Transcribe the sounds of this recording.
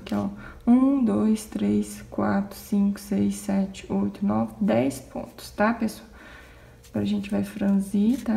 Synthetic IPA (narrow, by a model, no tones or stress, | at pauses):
kɛɔ | ũd̪ojst̪ɾeskwat̪ɾʊ̥sĩkʊ̥sejsɛt͡ʃɪ̥ojt̪ʊnɔvɪd̪ɛjspõ̰t̪ʊ̥st̪apesa | pɾɐʒẽnt͡ʃɪvajfɾɐ̃zit̪a